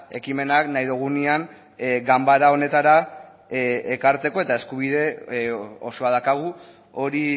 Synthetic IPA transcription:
e̞kime̞naknajðuɣ̞unian | ɡambaɾao̞ne̞t̪aɾa | ekaɾt̪e̞ko̞e̞t̪ae̞skuβiðe̞ | o̞so̞aðakaɣ̞u | o̞ɾi

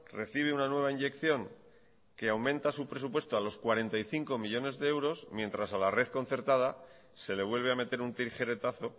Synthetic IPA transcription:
re̞θiβeunanwe̞β̞aiɲʝe̞kθjo̞ŋ | ke̞awmẽ̞nt̪asupɾe̞supwe̞st̪oalo̞skwaɾe̞nt̪aiθiŋko̞miʎo̞ne̞zðe̞ewɾo̞smje̞nt̪ɾasalare̞ðko̞nθe̞ɾt̪að̞a | se̞le̞βwe̞lβ̞e̞ame̞t̪e̞ɾunt̪iɾxe̞ɾe̞t̪aθo̞

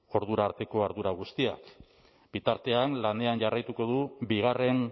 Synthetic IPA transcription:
o̞ɾðuɾaːɾt̪e̞ko̞aɾðuɾaɣ̞ust̪ia̰k | bit̪aɾt̪e̞anlane̞anʝarajt̪uko̞ðubiɣ̞are̞n

